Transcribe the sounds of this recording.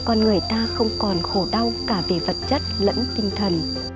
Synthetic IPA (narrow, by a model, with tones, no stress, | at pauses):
kɔ˨˩nŋɨ˨˩əjt̪aː˧xə˧wŋ͡mkɔ˨˩nxo˧˩ɗa˧wkaː˧˩ve˨˩və˨˩t̚t͡ɕə˦˥t̚lə̰˧˥nt̪ï˧ŋ̟t̪ʰə˨˩n